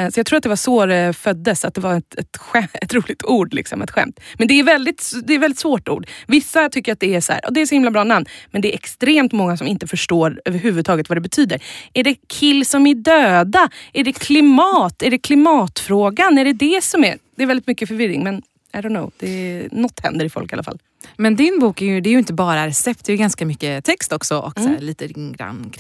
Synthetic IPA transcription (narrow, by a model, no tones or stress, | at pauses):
sɔjɑɡt̪ʰuːat̪d̪ɛvasvoːɾɛfœd̪ːəsat̪̚d̪ɛvaɾɛt̪ɛt̪ɧɛɛ̰t̪ɾuːlɪɡ̚t̪ʰuːɖlɪ̰ksɔ̰mɛ̰t̪ɧɛ̰mt̪mɛnd̪ɛːɾvɛld̪ɪt̪d̪ɛːɾvɛld̪ɪt̪svoːʈṵːɖvɪsːat̪ʰʏkːəɾat̪̚d̪ɛæshæ̰ːɾʔɑ̰d̪ɛːsɔhɪmlabɾɑːnamnmɛnd̪ɛɾʔɛkst̪ɾeːmt̪mɔŋːasɔmɪnt̪əfœʂʈoːɾøːvəɾɦʉ̟ːvɵd̪t̪ʰɑːɡət̪vad̪ɛbɛt̪ʰyːd̪əɾæɖɛkʰɪlːsɔmæɖøːd̪aæɖɛkʰlɪmɑːt̪æɖɛkʰlɪmɑːt̪fɾoːɡanæɖɛd̪ɛsɔmæ̰d̪̥ɛɾvɛldɪt̪mʏkːəfœɾvɪɾːɪ̰ŋmɛn | aɪd̪ɔʊnːo̰ʊd̪̥ɛnɔt̪ːhɛ̰nd̪əɾɪfɔ̰lka̰la̰fa̰l | mɛnd̪ɪnbuːkæɾjɵd̪ɛːɾjɵɪnt̪əbɑːɾaɾɛsɛp̚t̪̚d̪ɛjɡanskamʏkːət̪ʰɛkst̪ɔksɔʔɔ̰ksːɭiːt̪əɾɪŋɡɾa̰nk